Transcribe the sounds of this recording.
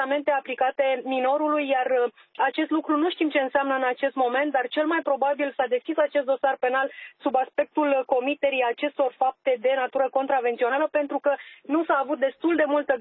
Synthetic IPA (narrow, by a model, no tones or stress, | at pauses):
ame̞nt̪e̞aplikat̪e̞mino̞ɾulujːar | at͡ʃe̞st̪lukɾunuʃt̪imt͡ʃeɨnseamnəɨnat͡ʃe̞st̪mo̞me̞nt̪̚d̪art͡ʃe̞lmajpɾo̞babilsad̪e̞skʲisat͡ʃe̞st̪̚d̪o̞sarpe̞nalsubaspe̞k̚t̪ulko̞mit̪e̞ɾijat͡ʃe̞st̪o̞rfap̚t̪e̞d̪e̞nat̪uɾəko̞nt̪ɾave̞nt̪sio̞naləpe̞nt̪ɾukənusaːvut̪̚d̪e̞st̪uld̪e̞mult̪ə